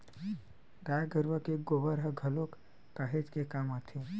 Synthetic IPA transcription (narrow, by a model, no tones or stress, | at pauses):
ɡajɡəɾʋəkeɡoʋəɾɦəɡʱəlokː | aɦet͡ʃkekamat̪ʰe